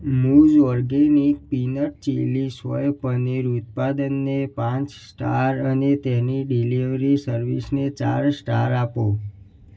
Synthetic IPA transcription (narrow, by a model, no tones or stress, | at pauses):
mud͡ʒɔɾɡenik̚pinəʈt͡ʃelisʋə̰jpəniɾut̪̚pad̪ənːepãt͡ʃsʈa̰ɾənet̪ɛniɖiliʋɾisəɾʋisnet͡ʃa̰ɾsʈaɾapo